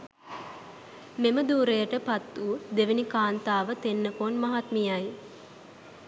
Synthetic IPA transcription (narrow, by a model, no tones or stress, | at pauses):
meməd̪uːɾejəʈəpat̪ːuːd̪eʋenikaːnt̪aːʋət̪enːəkonmaɦat̪mijaj